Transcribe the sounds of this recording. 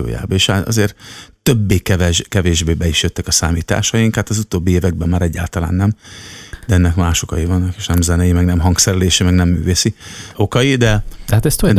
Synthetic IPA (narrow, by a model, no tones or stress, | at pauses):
o̰ːja̰ːbɒeːʃaɒ̰zeːrt̪ø̞bːeːkɛvɛʒkɛveːʒbeːbɛiʃjøt̪ːɛkɒsa̰ːmiːt̪a̰ːʃɒjiŋkhaːt̪ɒzut̪oːbːieːvɛɡ̚bɛmːaːɾɛɟːa̰ːlt̪ɒla̰ːnːɛmd̪ɛɛnːɛkmaːʃo̞kɒjivɒnːɒkeːʃnɛmzɛnɛjimɛɡnɛmɦɒŋksɛɾɛleːʃimɛɡnɛmːy̰ːveːsio̞kɒjid̪ɛd̪at̪ɛst̪o